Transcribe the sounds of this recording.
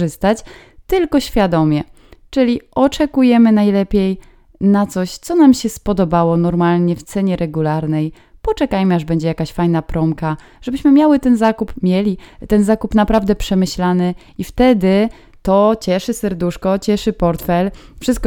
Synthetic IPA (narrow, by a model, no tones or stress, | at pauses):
ʐɘst̪at͡ɕ | t̪ɘlkɔɕfʲjad̪ɔmʲjɛ | t͡ʂɘlʲiɔt͡ʂɛkujɛmɘnajlɛpʲjɛj | nat̪sɔɕt̪sɔnamɕɛspɔd̪ɔbawɔnɔɾmalɲɛft̪sɛɲɛɾʔɛɡulaɾnɛj | pɔt͡ʂɛkajmɘaʐbɛɲd͡ʑɛjakaɕfajnapɾɔmka | ʐ̥ɛbɘɕmɘmʲjawɘt̪ɛnzakupmʲjɛlʲit̪ɛnzakupnapɾavd̪ɛpʂɛmɘɕlanɘ | ift̪ɛd̪ɘ | t̪ɔt͡ɕɛʂɘsɛɾd̪uʂkɔt͡ɕɛʂɘpɔɾt̪fɛlfʂɨst̪̚kɔ